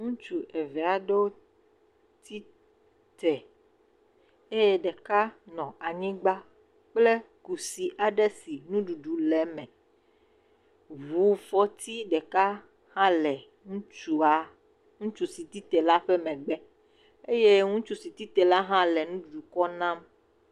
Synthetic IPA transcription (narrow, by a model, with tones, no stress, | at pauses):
ŋũ˦t͡ʃu˨e˨vɛ˨a˨ɖe˦wo˦ | t̪ʰi˦ | t̪ɛ˨ | e˦jɛ˦ɖɛ˨ka˦nɔ̃˨a˨ɲĩ˦ɡ͡ba˦ | k͡ple˦ | ku˨si˨ʔa˨ɖɛ˦si˨nũ˦ɖu˨ɖu˨lɛ˦mɛ̃˨ | βu˨˦fɔ˦t̪i˦ɖɛ˨ka˦ | hã˦lɛ˨ | ŋũ˦t͡ʃu˦a˨˦ | ŋũ˦t͡ʃu˨si˨t̪i˦t̪ɛ˨la˦ɸɛ˦mɛ̃˨ɡ͡bɛ˦ | e˦je˦ŋũ˦t͡ʃu˦si˨t̪i˦t̪ɛ˨la˦ɦã˦lɛ˨nũ˦ɖu˨du˨kɔ˦nã˦m